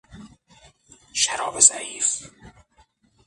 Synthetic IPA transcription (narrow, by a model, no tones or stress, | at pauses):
ʃæɾɒːbezæ̰ʔiːf